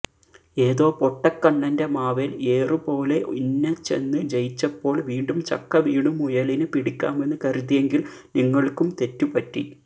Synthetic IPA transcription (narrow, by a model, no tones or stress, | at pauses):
e̞ːðo̞ːpoʈːɐkːɐɳːɐnde̞maːʋele̞ːrɨpo̞ːle̞ʔunːɐt͡ɕːe̞̰nːɨd͡ʑejit͡ɕːɐpːo̞ːɭʋiːɳɖumt͡ɕɐ̰kːɐʋiːɳumujɐlinɨpiɽikʲːa̰ːme̞nːɨkɐrut̪ːijeŋɡil | niŋːɐɭkumt̪e̞tːupɐtːḭ